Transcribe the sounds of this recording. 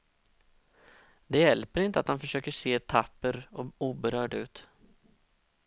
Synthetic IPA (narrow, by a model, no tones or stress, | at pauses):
d̪ɛjɛlpəɾɪnt̪əat̪hanfœʂøːkəʂeːɛt̪ʰapːəɾɔuːbɛɾœːɖʉ̟ːt̪